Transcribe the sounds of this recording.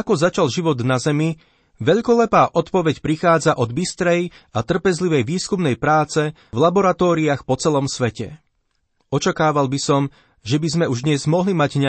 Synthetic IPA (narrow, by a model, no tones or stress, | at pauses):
akɔzat͡ʃalʒiʋɔd̪nazɛmi | ʋɛʎkɔlɛpaːʔɔt̪pɔʋɛcpɾixaːd͡zaʔɔd̪bist̪ɾɛj | at̪r̩pɛzliʋɛjʋiːskumnɛjpɾaːt͡sɛ | vlabɔɾat̪ɔːɾiaxpɔt͡sɛlɔmsʋɛcɛ̰ | ɔt͡ʃakaːʋalbisɔm | ʒɛbizmɛuʒd̪ɲɛzmɔɦlimaɟɲ